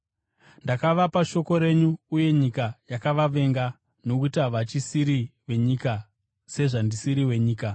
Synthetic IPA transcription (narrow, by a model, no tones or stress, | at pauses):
ndakaʋapaʃo̞ko̞ɾe̞ɲuːje̞ɲikajakaʋaʋe̞ŋɡa | no̞kutiaʋat͡ʃisiɾiʋe̞ɲiːka | se̞ʐandisiɾiwe̞ɲiːka